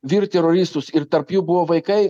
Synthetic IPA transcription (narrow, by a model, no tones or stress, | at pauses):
ʋʲiːɾt̪ʲɛɾoɾʲɪst̪ʊsɪɾt̪ɐɾpjuːbʊʋoːʋɐɪkɐɪ